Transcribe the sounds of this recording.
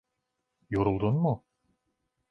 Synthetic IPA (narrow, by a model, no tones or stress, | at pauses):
joɾulˠd̪unmu